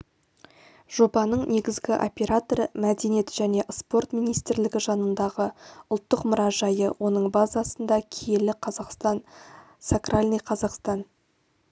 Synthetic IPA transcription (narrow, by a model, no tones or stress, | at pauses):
ʒ̥o̞bɑnəɴne̞ɡʲɪzɡʲɪʔopʲe̞ɾat̪oɾəmæd̪e̞nije̞t̪ʒ̥æne̞ʔspo̞rt̪mijnijst̪ɪɾlɪɡʲɪʒɑnənd̪ɑʁəʊlˠt̪ːəqmʊɾɑʒɑjəwo̞nəɴbazɑsənd̪ɑkʲʰejelɪqʰɑzɑqst̪ɑn | sakralʲnijqʰɑzɑqst̪ɑn